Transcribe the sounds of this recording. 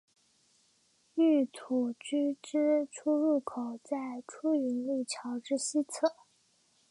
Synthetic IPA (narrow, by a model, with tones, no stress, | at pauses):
y˥˩t̪ʰu˨˩t͡ɕy˥ʈ͡ʂɻ̩˥ʈ͡ʂʰu˥ɻu˥˩kʰo˨˩ʊt͡sa˥˩ɪʈ͡ʂʰu˥y˧˥nli˥˩t͡ɕʰjɑ˧˥ʊʈ͡ʂɻ̩˥ɕi˥t͡sʰɤ˥˩